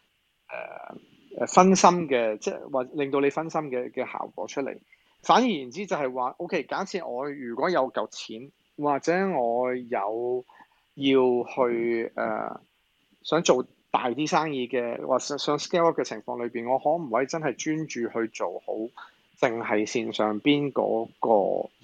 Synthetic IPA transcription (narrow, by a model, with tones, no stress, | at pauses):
ʔɛ̰ː˨˩ | ʔɛ̰ː˨˩fɐ˥nsɐ˥mkɛː˧t͡sɛ̰ː˧˩waː˨ɛ˥lɪ˨ŋt̪o˧wle˨˧jfɐ˥nsɐ˥mkɛː˧kɛː˧ha̰ː˨˩wkʷɔ̰ː˨˥t͡ʃʰɵ˥t̚lḛ˨˩j | faː˨˥nji˨˩jiː˨˩nt͡siː˥t͡sɐ˨˩hɐ˨jwaː˨˩ʔo˥wkʰe˥jkaː˨˥t͡sʰiː˨˧t̚ŋɔː˨˧jyː˨˩kʷɔː˨˥jɐ˨˧wkɐ˨˩wt͡sʰiː˨˥n | waː˨k̚t͡sɛː˨˥ŋɔː˨˧jɐ̰˨˧w | jiː˧whɵ˧ɥʔɛ̰ː˨ | sœː˨˥ŋt͡so˨w | t̪a̰ː˨jt̪iː˥saː˥ŋjiː˧kɛː˧wʔaː˨sɛ˨˥sœː˨˥ŋskɛː˥wɔ˥kɛː˧t͡sʰɪ˨˩ŋfɔ̰ː˧ŋlɵ˨˧piː˨˩nŋɔː˨˧hɔː˨˥m̩˨˩wɐ˨˥jt͡sɐ˥nhɐ˨˩jt͡ʃyː˥nt͡ʃyː˨hɵ˧ɥt͡so˨who̰˨˥w | t͡sɪ˨ŋhɐ˨jsiː˨nsœː˨ŋpiː˥nkɔ̰ː˨˥kɔ̰ː˧